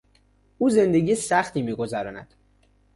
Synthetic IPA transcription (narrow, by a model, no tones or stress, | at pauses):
ʔuːze̞nd̪e̞ɡiːesæxt̪iːmiːɡo̞zæɾɒːnæ̰d̪̥